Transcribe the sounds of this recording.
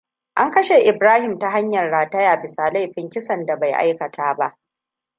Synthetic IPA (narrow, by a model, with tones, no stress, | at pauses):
ʔa˦ŋkɐ˦ʃe˨ʔɪ˨bɾaː˦hɪ˨mta˨ɦa˦ɲjɐ˨rɽaː˨tɐ˦jaː˨bɪ˨saː˨la˦˨jɸɪ˦ŋkʲɪ˦sɐ˨nda˨ba˨jʔa̰˦jkɐ˨tʰaː˦ba˦ʔ